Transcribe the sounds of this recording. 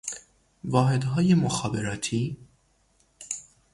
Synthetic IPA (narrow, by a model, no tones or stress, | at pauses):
vɒːɦed̪ɦɒːjemoxɒːbeɾɒːt̪ʰiː